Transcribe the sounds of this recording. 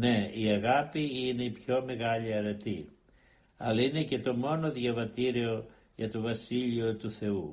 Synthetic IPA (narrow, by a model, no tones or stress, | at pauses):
ne̞iɐɣɐpiine̞ipço̞meɣɐlʎiɐɾe̞t̪i | ɐlɐine̞ce̞t̪o̞mo̞no̞ðʝɐvɐt̪iɾio̞ | ʝɐt̪o̞vɐsiʎio̞t̪uθe̞u